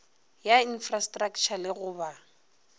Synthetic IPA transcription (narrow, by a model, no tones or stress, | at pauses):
jain̩frastʼrakt͡ʃʰalɪɣʊba